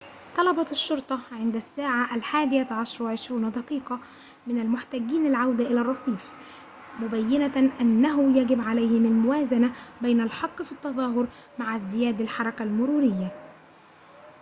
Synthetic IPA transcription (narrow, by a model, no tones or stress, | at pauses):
t̪ˤɑlɑbɑʃːʊɾˤt̪ˤɑʕɪnd̪æsːaːʕaʔalħaːd̪ɪjat̪ʕɑʃɾˤɑwaʕɪʃɾuːnd̪ɑqiːqɑ | mɪnalmʊħt̪æːɡːiːnɪlʕawd̪aʔɪlæːrˤːɑsˤiːf | mʊbæjːɪnaʔanːæɦʊjæɡɪbʕalajhɪmalmʊwæːzanabajnalħɑqːfit̪ːɑðˤɑːɦʊɾ | maʕazd̪ɪjæːd̪alħɑɾˤɑkalmʊɾuːɾɪjːa